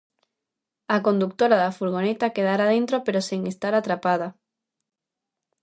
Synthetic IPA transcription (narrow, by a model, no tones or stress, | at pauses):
akond̪ukt̪oɾaðafuɾɣ̞onet̪akeðaɾaðẽnt̪ɾopeɾoseŋest̪aɾat̪ɾapað̞a